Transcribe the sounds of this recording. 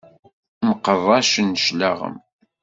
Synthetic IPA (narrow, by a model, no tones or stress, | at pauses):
məqːəðˤɑʃənːəʃlaʁə̰m